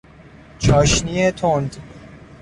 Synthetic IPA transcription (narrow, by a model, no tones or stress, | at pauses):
t͡ʃʰɒːʃniːet̪ʰond̪